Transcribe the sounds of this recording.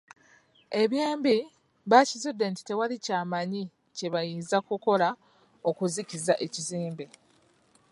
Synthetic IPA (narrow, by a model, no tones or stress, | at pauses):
e̞βjeːmbi | βacizudːe̞ːnti̥te̞walicaːmaɲi | ce̞βajiːnzakuko̞la | o̞kuzikizaʔe̞ciziːmbe